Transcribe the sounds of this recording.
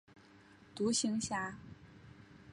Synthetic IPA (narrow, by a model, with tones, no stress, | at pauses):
t̪u˧˥ɕi˧˥ŋɕja˥˩